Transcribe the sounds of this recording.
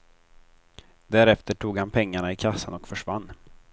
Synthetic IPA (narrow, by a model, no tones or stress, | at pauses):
d̪æɾɛft̪əʈʰuːɡhanpʰɛŋːaɳaɪkʰasːanɔkfœʂvanː